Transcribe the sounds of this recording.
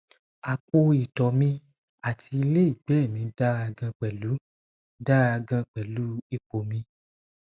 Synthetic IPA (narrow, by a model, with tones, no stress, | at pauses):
a˨ko˧i˨tɔ˨mĩ˧ | a˦˨tʰi˧i˧le˦i˦˨ɡ͡bɛ˨˦˨mĩ˨˧n̩˦da˦ɾa˧ɡã˧k͡pɛ˨lu˨˦ | da˦ɾa˧ɡã˧k͡pɛ˨lu˨˦i˦˨k͡po˨mĩ˧